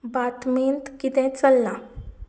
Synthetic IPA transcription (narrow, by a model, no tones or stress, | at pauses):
bat̪ment̪kit̪ɛ̃t͡səlːa